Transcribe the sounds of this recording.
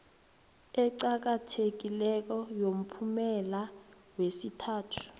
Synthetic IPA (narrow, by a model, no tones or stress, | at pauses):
ɛǀak̬atʰek̬ilɛk̬ɔjom̩pʰumɛla | wesitʰaːtʰu̥